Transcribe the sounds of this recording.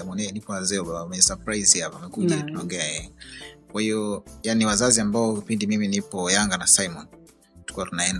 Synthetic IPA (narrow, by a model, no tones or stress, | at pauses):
amɔnɛanipɔazɛɔɓamɛsapɾaizihapaamɛkuʄatunaɔŋɡɛajɛkwahiɔjaniwazaziambaɔkipindimiminipɔjaŋɡanasajmɔn | tu̥kiwatunaɛn